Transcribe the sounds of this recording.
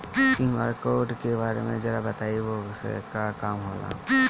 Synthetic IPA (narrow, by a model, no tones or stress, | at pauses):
kia̰ːɾkoːʈkebaːɾḛmẽd͡ʒɐɾabɐt̪aːiʋosḛkakaːmɦoːla̰ː